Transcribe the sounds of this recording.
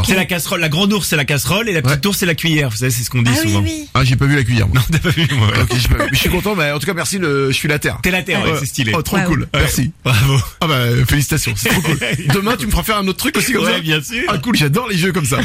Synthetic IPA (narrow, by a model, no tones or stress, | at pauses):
sɛlakasχɔlːaɡʁɑ̃d̪uʁsːɛlakasχɔlelapəəit̪uʁsːelakʲɥijɛːʁvusaves̬ɛsə̥kɔ̃d̪isuvɑ̃ | ɛ̃ʒepavylak̬ʲɥijɛ̰ʁmwanɔ̃t̪yapavymwaw̰ɔ̰kʲeʒepavymɛsɥikɔ̃t̪ɑ̃mɛɑ̃t̪ukamɛʁsiləʒəsɥilat̪ɛ̰ʁt̪ɛlat̪ɛʁʁwɛsɛst̪ileɔt̪χokulwɛmɛʁsibʁavoabafelisi̥t̪asjɔ̃sɛtt̪χokuld̪əmɛ̃t̪̬yməfʁafɛʁɛ̃not̪̚t̪χykosikɔwmsaɛbjɛ̃syʁakulʒad̪ɔʁleʒøkɔmsa